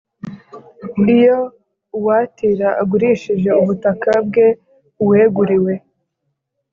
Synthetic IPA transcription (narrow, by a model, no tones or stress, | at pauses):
ijo | watiɾaʔaɡuɾiːʃiʒe̞uβutakabɡe̞ | weːɡuɾiwe̞